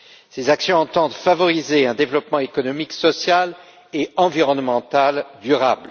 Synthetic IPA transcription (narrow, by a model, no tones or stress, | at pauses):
sezaksjɔ̃ɑ̃t̪ɑ̃d̪favɔʁizeɛ̃d̪evlɔpmɑ̃ekɔnɔmiksɔsjal | eɑ̃viʁɔnmɑ̃t̪ald̪yʁabl